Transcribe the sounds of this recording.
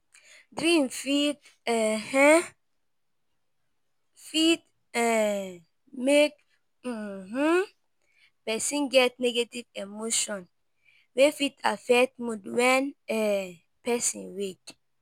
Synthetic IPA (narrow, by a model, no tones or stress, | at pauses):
dɹĩmfit | ɛhɛ̃ | fit̚ | ɛ | mek̚ | m̩h̩ | pɛsĩnɡɛt̚nɛɡativemoʃɔ̃n | wefitʰafɛk̚t̚mudwɛnɛ | pɛsḭ̃nwek